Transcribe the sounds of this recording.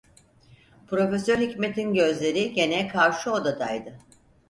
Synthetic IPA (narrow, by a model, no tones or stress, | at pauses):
pɾo̞fe̞søɾhicme̞t̪ʰinɟø̞zlʲe̞ɾiɟe̞nɛkʰaɾʃuo̞d̪ad̪ajd̪ɯ